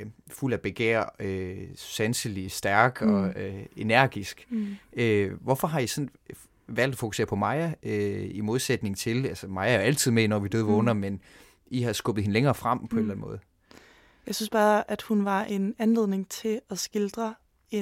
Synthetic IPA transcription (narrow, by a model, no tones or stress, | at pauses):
ful̰æb̥e̝ɡ̥ḛɐ̰øsænsilisd̥æɐɡ̥ɒ̽øe̝næɐ̰ɡ̥isɡ̥øʋɒfɒ̽ɦɑ̈isɒ̽n | ʋæl̰d̥ɒfo̝kuse̝̰ɐpʰɒ̽mɑ̈ɪɐøimo̝ð̞ˠsed̥ne̝ŋt͡sʰe̝lælsəmɑ̈ɪæɐjoæl̰t͡sʰið̰ˠmeinɒʋid̥øðˠʋɔnɐmen | ihɑ̈sɡ̥ɔb̥əð̩ˠhe̝nleŋɐːfʁam̰pʰɒ̽e̝nlænmɔ̽ːð̞̩ˠ | jɑ̈ɪsynsb̥ɑ̈ːʔæd̥hunʋɑ̈ʔe̝nænle̝ðˠne̝ŋt͡sʰe̝ɒsɡ̥eld̥ʁɐ | e